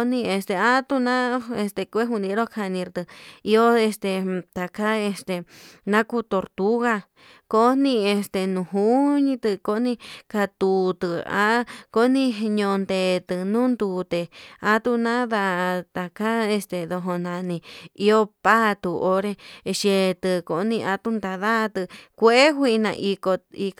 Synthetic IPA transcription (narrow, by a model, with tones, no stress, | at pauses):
nĩ˧e˧st̪e˨a˦t̪u˧nã˦e˧st̪e˧kʷe˦ɦu˧nĩ˧ɾo˦kʰa˧nĩ˧ɾt̪ɨ˧i˧˦o˦e˧st̪e˧t̪a˨ka˦e˧st̪e˨nã˦ku˧˦t̪o˨ɾt̪u˦ɣa˧ | ko˦nĩ˧e˧st̪e˧nũ˧˨ɦu˦ɲĩ˧t̪ɨ˧ko˦nĩ˧ka˧t̪u˨t̪ɨ˧a̰˦ko˦nĩ˧ɲõ˧nd̪e˨t̪ɨ˧nũː˦nd̪u˨t̪e˧a˧t̪u˦˧nã˦ða˧ʔt̪a˨ka˦e˧st̪e˧ðo˧ɦo˧nã˨nĩ˧i˧o˦pa˦t̪u˧ʔo˧ɾe˧ʃe˧t̪ɨ˧ko˧˦nĩ˧ʔa˧t̪u˦nd̪a˧ða˦˧t̪ɨ˧kʷe˦e˦ɦʷi˧nã̰˧ʔi˧ko˧i˧